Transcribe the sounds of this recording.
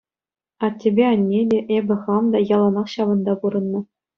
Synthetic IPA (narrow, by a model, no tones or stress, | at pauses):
ɑtʲːebʲeɑnʲːedʲeʔebʲɘ̆χɑmd̪ɑjɑlˠɑnɑχɕɑʋɤ̆nd̪ɑpuɾɤ̆nːɤ̆